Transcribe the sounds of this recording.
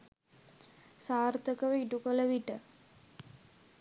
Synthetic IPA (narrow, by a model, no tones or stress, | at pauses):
saːrt̪əkəʋəiʈukələʋiʈə